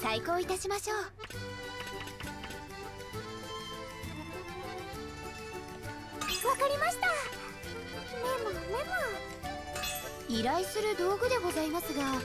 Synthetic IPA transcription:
t̪aiko̞ːit̪aɕimaɕo̞ː | βakaɾʲimaɕi̥t̪a | memomema | iɾaisɨɾɯ̟d̪o̞ːɡɯ̟d̪e̞ɡo̞zaimasɨɡa

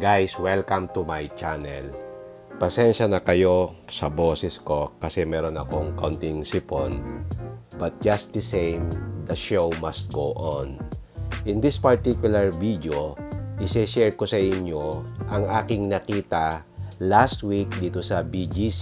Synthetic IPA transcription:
ɡajswɛlkɐ̃mt̪umajt͡ʃanɛl | pɐsɛnʃɐnɐkɐjo̞sɐboːsɛsko̞kɐsɛmɛɾonɐ̰koŋkawnt̪ɪŋsɪpo̰n | bɐt̪̚d͡ʒɐst̪̚d̪ɛsẽjmd̪ɐʃowmɐst̪̚ɡowʔon | ʔɪ̃nd̪ɪspɐɹt̪ikjʊlɐɹvid̪joʔɪsɛʃɛɹkosɐʔɪɲjoʔɐŋʔaːkɪŋnɐkiːt̪ɐ | last̪wik̚d̪iːt̪osɐbid͡ʒis

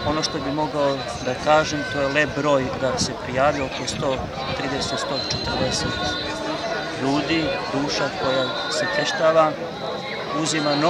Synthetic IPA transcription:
o̞noʃt̪o̞bimo̞ɡao | d̪akaːʒemt̪o̞ːjelep̚bɾo̞ːjkad̪se̞pɾijaːʋiookost̪o̞ː | t̪ɾiːd̪eset̪st̪o̞ːt͡ʃet̪əɾd̪eset̪ | ʎuːd̪id̪uːʃako̞ja | set̪eʃt̪aːʋa | uzimano

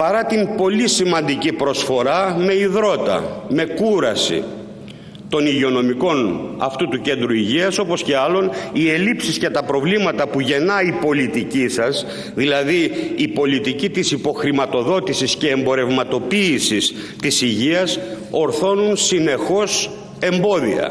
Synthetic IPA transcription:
pɐɾɐt̪impo̞lisimɐnd̪icipɾo̞sfo̞ɾɐmeiðɾo̞t̪ɐ̰me̞kuɾɐsḭ | t̪o̞niʝio̞no̞miko̞nɐ̰ft̪ut̪uce̞nd̪ɾuiʝiɐso̞po̞sce̞ɐlo̞nie̞lipsiscet̪ɐpɾo̞vlimɐt̪ɐpuʝe̞nɐipo̞lit̪icisɐz | ðilɐðiːpo̞lit̪icit̪isipo̞xɾimɐt̪o̞ðo̞t̪isisce̞ːmbo̞ɾe̞vmɐt̪o̞piːsis | t̪isiʝiɐso̞ɾθo̞nunsine̞xo̞s | e̞mbo̞ðḭɐ̰

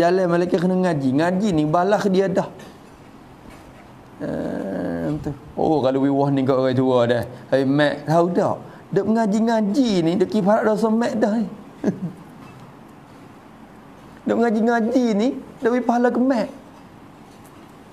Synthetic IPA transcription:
d͡ʒalɛmalakakənaŋad͡ʒiŋad͡ʒinibalaʔkdiadɔh | ə̰ | mt̪u | o̰ʔokalowiwɔhnikɔʔwat̪uɔdɛhmɛʔt̪audɔ̰ʔ | dɔʔŋad͡ʒiŋad͡ʒinidɔʔkipalaʔdɔʔsəmɛʔdɔhi | dɔʔŋad͡ʒiŋad͡ʒinidɔʔwipaɦalakəmɛʔ

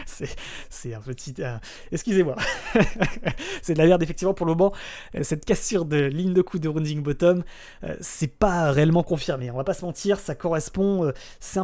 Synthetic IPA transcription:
sɛsɛɛ̃pət̪ʰiɛ̃ | ɛkskʲyzemwa | sɛd̪əlamɛʁd̪efɛk̚t̪ivmɑ̃puʁləmɔmɑ̃ | ø̰sɛt̪kasyʁd̪əliɲd̪əkʰud̪əʁũd̪iŋbɔt̪ɔm | ø̰sɛpaʁeɛlmɑ̃kɔ̃fiʁmeɔ̃vapasəmɑ̃t̪ʰiʁsakɔʁɛspɔ̃ø | sɛɛ̃

